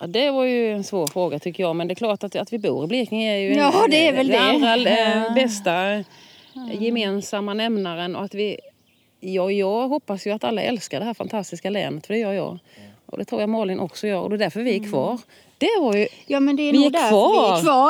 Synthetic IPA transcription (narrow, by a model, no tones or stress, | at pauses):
ad̪ɛvaɾjɵɛnsvoːɾfɾoːɡat̪ʰʏkːəjɑːmɛnd̪ɛkʰlɑːʈat̪at̪vɪbṵːɾɪblɪknɪŋæɾjɵd̪ɛːvɛlɛalːɾabɛst̪a | jɛmeːnsamːanɛmnaɾənɔ̰at̪vɪ | jɑːjɑːɦɔpːasjɵat̪alːaʔɛ̰lskaɖɛhɦæːɾfa̰nt̪ʰast̪ɪskalɛ̰ːnət̪fœɖɛjœːjɑ̰ː | ʔɔ̰d̪ɛ̰t̪ʰɾuːɾjamɑːlɪnʔɔksɔjœːɾɔ̰d̪ɛd̪æɾfœɾvɪɪkʰvɑːɾ | d̪̥ɛvaɾjɵjɑːmɛnd̪ɛvɪɛkvɑːvɑ